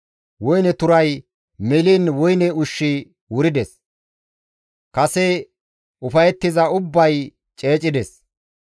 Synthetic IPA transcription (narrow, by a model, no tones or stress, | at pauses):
wʊjnɛt̪ʊɾɐj | mɛliːnwʊjnɛʊʃːɪ | wʊɾɪd̪ɛs | kɐsɛ | ʊfɐjɛt̪ːɪzɐʊbːɐj | t͡ʃʼe̞ːt͡ʃʼɪd̪ɛs